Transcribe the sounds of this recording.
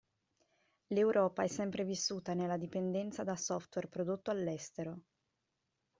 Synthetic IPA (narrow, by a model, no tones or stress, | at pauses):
lewɾʔɔːpaɛsːɛmpɾevisːuːt̪anelːad̪ipend̪ɛnt̪sad̪asɔft̪werpɾod̪ot̪ːoalːɛst̪eɾo